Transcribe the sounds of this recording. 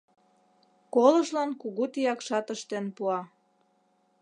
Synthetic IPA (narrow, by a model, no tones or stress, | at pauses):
koləʃlɑnkuɣut̪ijɑkʃɑt̪əʃt̪enpuɑ